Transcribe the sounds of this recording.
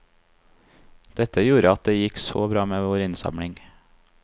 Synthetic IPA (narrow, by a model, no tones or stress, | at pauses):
d̪̥ɛt̪əjuːɾəɑt̪̚d̪eːjɪkso̰ːbɾɑːmeːʋoːɾɪnsɑ̰mɽɪŋ